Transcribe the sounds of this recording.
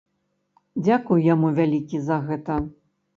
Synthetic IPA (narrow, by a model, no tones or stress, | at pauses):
d͡zʲakujjamuvʲalʲikʲizɐɣɛt̪ɐ